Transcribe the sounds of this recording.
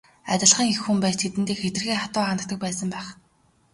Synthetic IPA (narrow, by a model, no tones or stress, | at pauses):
a̰t̪ʲɪ̆ɮχĭːŋixːumpæːt̪ʰet̪ɘ̆nt̪iːkxet̪ɘrɣeːχat̪ʊːanə̆k̚t̪ə̆k̚pæːsə̆mpæːχ